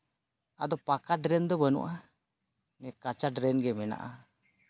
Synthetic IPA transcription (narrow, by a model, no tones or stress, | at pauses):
ad̪ɔpakaʈɾɛnd̪ɔbənṵʔa | mɛkat͡ʃaʈɾɛnɡɛmɛna̰ʔa